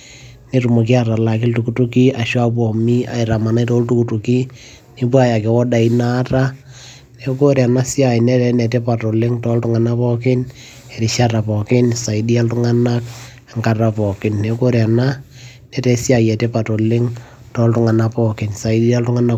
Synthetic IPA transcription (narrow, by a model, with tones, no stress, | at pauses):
ne˨ru˨mo˨k̬i˦aɾa˨la˨k̬ɪ˦ltukutu˦ki˦a˨ʃwa˦p̬ɔ˨mi˦a̰˨ɪ˨ɾa˨ma˨na˦tɔ˦ltu˦ku˨tu˨ki˦ | ni˦pwa˦ja˨ke˨wɔ˦da˨i˦naː˦ta˦ | ne˨ko˦ɾja˨na˦si˦a˨ɪ˨nɛ˦tɛ˨nɛ˨te˦pa˨tɔ˨lɪ˦ŋtɔ˦ltʊ˦ŋa˨na˦pɔ˦kɪ˦n | e˨ɾi˨ʃata˨pɔ˨kɪ˦nsa˨idi˦a˦ltʊŋa˦na˦k | ŋka˨ra˨pɔ˨kɪ˦nːe˨ko˦ɾja˨na˦ | nɛ˦tɛ˦si˦a˨jɛ˨te˦pa˨to˨lɪ˦ŋ | tɔ˦ltʊ˦ŋa˨na˦pɔkɪ˨nsa˨i˦di˦a˦ltʊ˦ŋa˦na